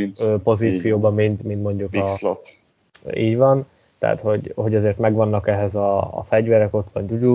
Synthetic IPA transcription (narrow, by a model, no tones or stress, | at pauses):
øːpo̞ziːt̪sijoːbɒmint̪mint̪mo̞ɲɟukɒlo | iːɟvɒn | t̪ɛ̰ɦa̰t̪ho̞ɟho̞ɟɒzeːrt̪mɛɡʋɒnːɒkɛɦɛzɒ̰ːfɛɟvɛɾɛko̞t̪ʋɒnt̪uɟu